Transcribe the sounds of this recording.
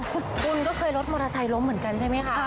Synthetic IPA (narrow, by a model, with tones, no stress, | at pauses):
kʰu˧nkɔː˥˩kʰɤː˧jɾo˦˥t̪̚moː˧ɾaː˧sa˧jlo˦˥mɯ˩˦nka˧nt͡ɕʰa˥˩jma˦˥jkʰa˥